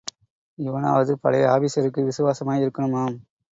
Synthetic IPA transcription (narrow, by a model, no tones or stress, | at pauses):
ɪʋɐna̰ːʋɐðɯpɐ̰ɽɐjaːbisɐɾɯkːɯʋɪsɯʋaːsɐmaːjɪɾɯkːɐɳɯmaːm